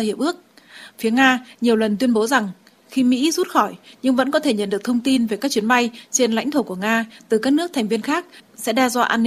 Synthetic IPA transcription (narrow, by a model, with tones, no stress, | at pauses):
hi˧˩əp̚ʔɨ˦˥ək̚fi˨˦əŋaː˧ɲi˨˩əwlə˨˩nt̪wi˧ənɓo˨˦za˨˩ŋ | xi˧mḭ˧˥zu˦˥t̚xɔ˧˩jɲɨ˧ŋvə̰˧˥nkɔ˨˦t̪ʰe˧˩ɲə̰˧˩nɗɨ˨˩ək̚t̪ʰə˧wŋ͡mt̪i˧nve˨˩kaː˦˥k̚t͡ɕi˨˦ənɓa˧jt͡ɕe˧nla̰˧˥jŋt̪ʰo˧˩ku˧˩əŋaː˧t̪ɨ˨˩kaː˦˥k̚nɨ˦˥ət̪ʰɛ˨˩ŋ̟vi˧ənxaː˦˥k̚sɛ̰˧˥ɗɛ˧zwaː˧ʔaː˧nː˧